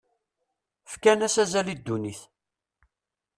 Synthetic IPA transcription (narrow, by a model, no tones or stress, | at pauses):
fkænæsæzælid̪ːuniθ